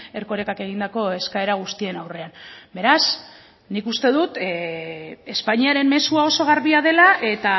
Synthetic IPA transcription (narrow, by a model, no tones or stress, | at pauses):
e̞ɾko̞ɾe̞kake̞ɣ̞ind̪ako̞e̞skae̞ɾaɣ̞ust̪ie̞nawre̞anbe̞ɾas | nikust̪e̞ð̞ut̪ | e̞spaɲiaɾe̞mme̞suao̞so̞ɣ̞aɾβiaðe̞laʔe̞t̪a